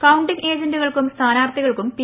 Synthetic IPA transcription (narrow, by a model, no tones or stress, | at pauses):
kɐwuɳɖiŋe̞ːd͡ʑɐnduɣɐɭkumst̪ʰaːnaːrt̪iɣɐɭkumpi